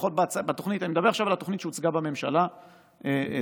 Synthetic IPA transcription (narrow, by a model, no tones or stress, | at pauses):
χot̚bat͡sbat̪o̞χnit̪animed̪abe̞aχʃavalat̪o̞χnit̪ʃeut͡sɡabame̞mʃala | e